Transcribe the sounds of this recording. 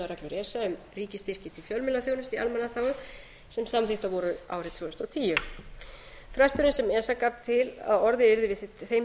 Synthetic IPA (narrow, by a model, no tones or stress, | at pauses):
aɾaklʏɾɛːsaʏm | riːcɪst̪ɪr̥cɪt̪ʰɪlfjœlmɪlaθjownʏst̪ialmɛnːaθaːwʏ | sɛmsamθɪht̪avɔɾʏa̰ːwɾɪt̪ʰvoːʏst̪ɔt̪ʰiːjʏ | fɾast̪ʏɾɪnsɛmɛːsakaːpt̪ʰɪla̰ðɔɾðɪɪɾðɪvɪθejm